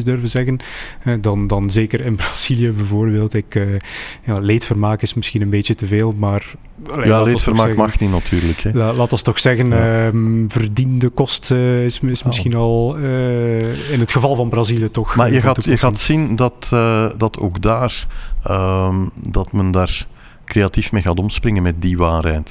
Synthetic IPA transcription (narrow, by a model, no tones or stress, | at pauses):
sdørvənzɛɣənɦɛdɑndɑnzeːkərɪnbraz̥ilijəbɛvoːrbeːlˠtɪkəjaːleːtfərmaːkɪsmɪsxinənbeːtətəveːlˠmaːr | ljalːaeːɔfərmːɛkɣmɑxninatʰyːɾləkɛlalaːtɔstɔxsɛɣənəvərdindəkɔstɪsɪsmɪsxinɑlˠə | ɪnɦətxəvɑlˠvɑnbraziljətɔxmaːjəɣaːtujəɣaːtsindɑtədɑtʰo̰ːɡdaːrəmdɑtməndaːr | kreatifmeːɣaːtɔmsprɪŋənmɛt̚diʋaːrɦɛːt